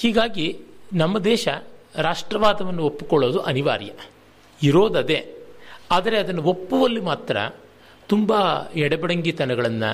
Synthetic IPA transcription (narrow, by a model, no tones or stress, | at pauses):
hiːɡaːɡinɐmːɐd̪ɛːʃɐɾaːʂʈɾɐʋaːd̪ɐʋɐnːuopːu̥kɔɭːo̞ːd̪uʔɐniʋa̰ːɾjɐ̰ | iɾoːd̪ɐd̪e̞aːd̪ɐɾe̞ɐd̪ɐnːuopːuʋɐlːimaːt̪ɾɐ̰ | t̪umbɐɛɽɐbɛɽɐŋɡit̪ɐnɐɡɐɭɐnːɐ̰